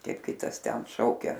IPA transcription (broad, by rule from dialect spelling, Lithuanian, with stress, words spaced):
ˈkɐɪp ˈkʲɪtɐs tʲɛn ˈʃɐʊkʲɛ